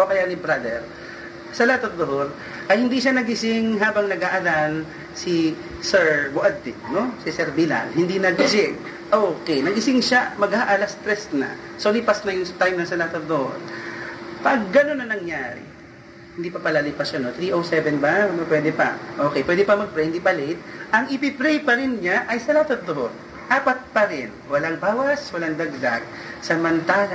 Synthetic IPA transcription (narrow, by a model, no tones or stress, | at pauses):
ʔokɐjanɪbɾad̪ɛɹ | sɐlaːt̪ɐt̚d̪oɦoɾ | ʔɐjhɪnd̪iʃanɐɡɪsɪŋɦaːbɐŋnɐɡaʔɐlan | sɪ | sɛɹbʊʔad̪ːɪt̪̚no̞sɪsɛɾbila̰nhɪnd̪inɐɡɪsɪŋ | ʔoːkɛjnɐɡɪsɪŋʃamɐɡhaʔalɐst̪ɾɛsnɐ̰solipɐsnɐjʊŋst̪ajmnɐŋsɐlaːt̪ɐt̚d̪oho̰ɾ | pɐɡːɐno̞nːɐnɐŋjaːɾɪ̰ | hɪnd̪iːpɐpɐlalipɐsɐno̞t̪ɾiʔowsɛvɛnbanopwɛd̪ɛpɐ̰ʔo̞ːkɛjpwɛːd̪ɛpɐmɐɡ̚pɾɛjhɪnd̪ibɐlet̪̚ʔɐŋɪpɪpɾɛjpɐɾɪnɲaʔɐjsɐlat̪ɐt̪̚d̪ohod̪̚ | ʔaːpɐt̪̚pɐɾɪnwɐlaŋbaːwɐswɐlaŋd̪ɐɡ̚d̪aɡ̚ | sɐmɐnt̪ala